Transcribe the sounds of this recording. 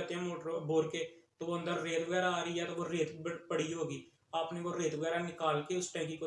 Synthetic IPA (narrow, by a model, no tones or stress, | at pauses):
ət̪ãːmoːʈɾboːɾkeːt̪oːoːə̃nd̪əɾːeːt̪ʋəɡɛːɾaaːɾiːjaːt̪oʋoːɾeːt̪pəɽiːɦoːɡiː | aːpneːkoːɾeːt̪ʋəɡɛːɾaːnɪkaːlkeːʊsʈɛ̃ːkiːko